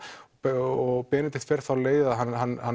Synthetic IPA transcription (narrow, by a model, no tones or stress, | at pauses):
ɔɣpɛːnɪt̪ɪ̥t̪fɛɾ̥θawleːjðaɦanːɦanːha